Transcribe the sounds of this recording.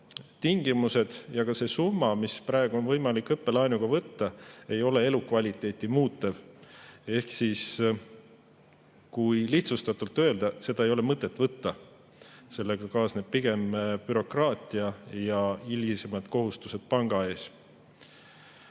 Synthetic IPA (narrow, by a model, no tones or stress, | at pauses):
t̪iŋɡ̥imuse̞d̪̥jɑɡ̥ɑse̞sumːɑmispɾɑˑeɡ̥uo̞nvɤjmɑlikːˑɤpːe̞lɑjnuɡ̥ɑvɤt̪ːɑe̞jo̞le̞e̞lukvɑlʲit̪ːˑe̞ːt̪ʲːˑimuːt̪ːˑev | e̞hksis | kujliht̪sust̪ɑt̪ːult̪ːø̞eld̪̥ɑse̞d̪ɑe̞jo̞le̞mɤt̪ːˑe̞t̪ːˑvɤt̪ːɑ | se̞lːe̞ɡ̥ɑkɑːsneb̥̚piɡ̥e̞mbyɾo̞krɑːt̪ˑiɑjɑilʲisemɑd̪̥ko̞ɦust̪u̥se̞d̪̥pɑŋɡ̥ɑe̞ːs